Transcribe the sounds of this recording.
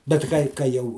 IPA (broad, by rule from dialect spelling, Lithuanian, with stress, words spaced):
bʲɛt ˈkɐɪ kɐ ˈjɛʊ